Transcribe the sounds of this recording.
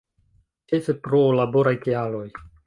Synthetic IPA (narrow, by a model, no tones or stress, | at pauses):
t͡ʃesepɾolabo̞ɾajkealo̞j